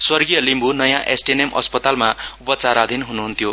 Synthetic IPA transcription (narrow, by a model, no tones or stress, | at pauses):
swʌrɡijʌlimbʱunʌjãʔesʈinemʔʌ̰spʌt̪almaupʌt͡saɾad̪ʱinɦunuɦunt̪ʰjo